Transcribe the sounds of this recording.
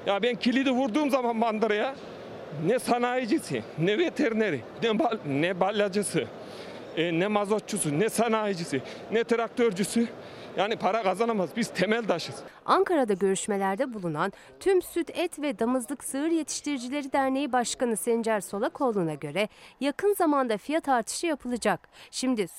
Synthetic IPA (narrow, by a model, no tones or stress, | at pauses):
jabɛncʰilʲid̪ɛvuɾd̪uːmzamanband̪ɯɾaja | nɛsanaːjid͡ʒisinɛvet̪ʰɛɾneɾi | nɛbanɛbalʲːad͡ʒasɯ | nɛmazot͡ʃ̚t͡ʃʰːusunɛsanaːjid͡ʒisi | nɛt̪ʰɾak̚t̪ʰøɾd͡ʒysy | jaːnipʰaɾakazanamazbiz̥t̪ʰemɛlʲd̪aʃɯz̥aŋkʰaɾad̪aɟø̞ɾyʃme̞lʲæɾd̪ɛbulˠunan | t̪ʰymsyt̪ɛt̪ʰvɛd̪amɯzlˠɯksɯɯɾje̞t̪ʰi̥ʃt̪ʰiɾid͡ʒilʲe̞ɾid̪æɾne̞jibaʃkanɯsɛnd͡ʒæɾso̞lˠakʰo̞lˠunaɟø̞ɾɛjakʰɯnzamand̪afijat̪ʰaɾt̪ʰɯ̥ʃɯjapʰɯlˠɯd͡ʒak̚ʃimd̪i